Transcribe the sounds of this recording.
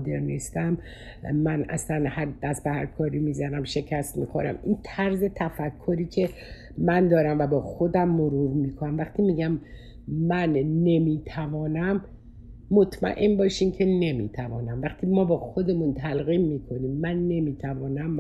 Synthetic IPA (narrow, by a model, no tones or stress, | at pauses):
d̪eɾnist̪æmː | ænæ̰slænhæɾd̪̥æst̪̚behæ̰ɾkʰɒːɾiːmiːzænæmʃe̞cʰæst̪mḭːxoɾæ̰mint̪ʰæɾze̞t̪ʰæfækʰːoɾiːcʰe̞ | mænd̪ɒːɾæmvæbɒːxo̞d̪æmːoɾuvmiːkʰonæmvæχt̪ʰiːmiːɟæmː | ænːe̞miːt̪ʰævɒːnæmː | o̞t̪ʰmæ̰ʔe̞nbɒːʃiːmcʰe̞ne̞mḭːt̪ʰævɒːnæmvæχt̪ʰiːmɒːbɒːxo̞d̪e̞munt̪ʰælɣiːmːiːkʰo̞niːmːænːe̞miːt̪ʰævɒːnæm